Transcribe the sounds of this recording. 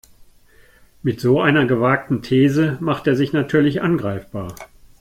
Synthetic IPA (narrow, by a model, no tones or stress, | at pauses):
mɪtz̥oːʔaɪnɐɡəvaːk̚tn̩tʰeːzəmaχteːɐzɪçnatʰyːɐlɪçʔanɡʁaɪfb̥aːɐ